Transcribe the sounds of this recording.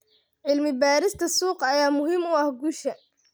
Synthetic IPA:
ʕɪlmɪbaːɾɪst̪ʰɐsuːqɐjaːmʊɦiːmʊɐhɡuːʃɐ

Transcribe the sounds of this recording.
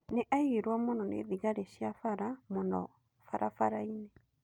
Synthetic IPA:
neʔaiɾwamonɔnḛːðiɣaɾeɕjafaɾamonɔ̰ | faɾʔafaɾaine

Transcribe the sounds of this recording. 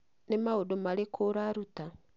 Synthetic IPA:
nemaudomalekʰoɾaɾuta

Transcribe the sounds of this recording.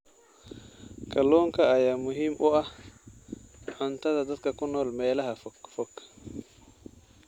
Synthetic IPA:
kaloŋkaajamuɦimʔoʔa | ʊntadadatkakunolmejlahafokfok

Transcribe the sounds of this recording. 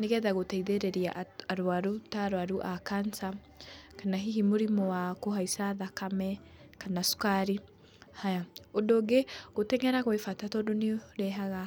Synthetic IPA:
neɡɛðaɣotɛiðɛɾɛɾia̰ʔaɾwaɾutaɾwaɾuʔakansa | kanaɦiɦimuɾimɔwakoɦaisaðakamɛ | kanasu̥kaɾi | hajaodoɡeɣ̥otɛŋɛɾaɣwefatatɔdoniɾɛɦaɣa

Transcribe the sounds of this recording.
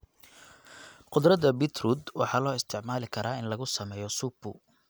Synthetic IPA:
qʊd̪ɾɐðɐbɪt̪ʰruːd̪wɑ̰ħɑːlɔːɪst̪ʰɪʕmaːlɪkʰɐɾʔaːɪnlɐɣʊsɐmɛːjɔsupʊ̰

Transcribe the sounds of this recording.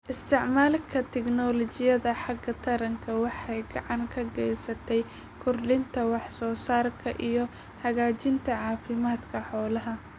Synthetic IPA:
ʔɪst̪ʰɪʕmaːlkʰɐt̪ʰɛknɔlɔt͡ʃɪjɐðɐħɑɡɐt̪ʰɐɾɐŋkʰɐwɑħɑjɡɑ̰ʕɑŋkʰɐɡɛjsɐt̪ʰɛj | kʰʊrɖɪnt̪ʰɐwɑħsɔːsaːrkʰɐʔijɞ | hɐɣaːt͡ʃɪnt̪ʰɐʕɑːfɪmaːd̪kʰɐħɔːlɐɦɐ

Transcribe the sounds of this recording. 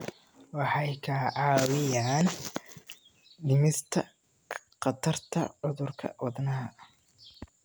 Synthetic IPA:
wɑħɑjkʰɐʕɑːwɪjaːn | ɖɪmɪst̪ʰɐ | qɑt̪ʰɐrt̪ʰɐ̰ʕʊðʊrkʰɐ̰wɑðnɐɦɐʔ

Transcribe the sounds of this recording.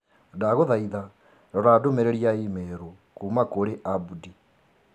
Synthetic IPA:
daɣoðaiða | dɔɾadomeɾeɾiaimɛɾo | kuːmakoɾeʔabudi

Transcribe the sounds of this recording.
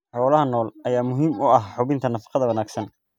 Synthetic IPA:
ħɔːlɐɦɐnɔːlɐjaːmʊɦiːmʊɐɦħʊβɪnt̪ʰɐnɐfɑ̥qɑðɐwɐnaːɡsɐn

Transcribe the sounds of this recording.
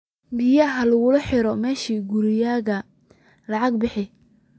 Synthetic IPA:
bɪjɐɦɐlɐɣʊlɐħɪɾɔmɛːʃiːɡuɾɪjaːɣɐ | lɑʕɑɡbɪħɪ

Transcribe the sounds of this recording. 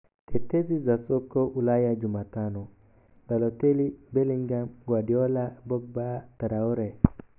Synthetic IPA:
tɛtezizasɔkːɔʔulajad͡ʒumatanɔ | dalɔtelibeliŋɡamɡwadiɔlabɔk̚bataɾaɔɾɛ

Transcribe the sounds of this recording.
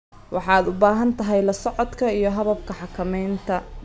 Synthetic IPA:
wɑħɑːd̪ʊbaːɦɐnt̪ʰɐɦɛjlɐsɔʕɔd̪kʰɐijɞɦɐβɐb̚kʰɐħɑkʰɐmɛjnt̪ʰɐ

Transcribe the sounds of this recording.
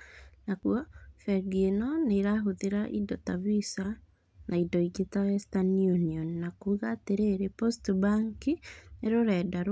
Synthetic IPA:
naɣwɔfɛɾɡienɔneɾaɦoðeɾaʔḭdɔtavisa | nʔaidɔiɡetawɛstanjuniɔnːakuːɣaːteɾeɾepostbaŋkineɾoɾɛːdaɾ

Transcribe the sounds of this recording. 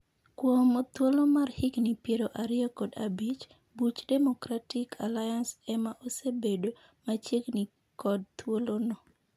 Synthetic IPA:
kwɔmot̪wolomarhɪknipjeɾoʔaɾɪɔkɔdabit͡ʃ | but͡ʃdɛmokɾatɪkʰalajansɛmaʔosebedo | mat͡ʃjekni | kɔd̚t̪wolonɔ

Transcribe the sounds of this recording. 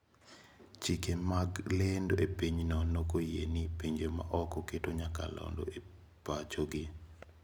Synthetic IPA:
t͡ʃikemaɡlendoʔepiɲnɔnokojenipiɲd͡ʒema̰ʔɔkɔketoɲaka̰lɔ̰ndo̰e | pat͡ʃoɡɪ

